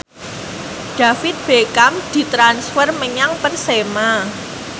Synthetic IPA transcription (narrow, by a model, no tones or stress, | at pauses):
ɖ̥a̤fɪt̪̚b̥ekamd̪̥i̤t̪ɾansfərməɲaŋpərsema